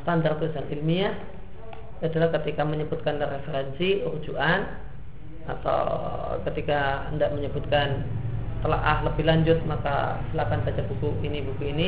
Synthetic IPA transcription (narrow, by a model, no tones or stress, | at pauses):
st̪and̪art̪uisanilmia | it̪ulahkət̪ikaməɲəbut̪̚kanəɾefeɾɛnsiəhud͡ʒuʔan | a̰t̪a̰wkət̪ikaəndaʔməɲəbut̪̚kant̪əla̰ʔahləbɪhlaɲd͡ʒʊt̪̚maka̰silakanbat͡ʃabukuinibukuini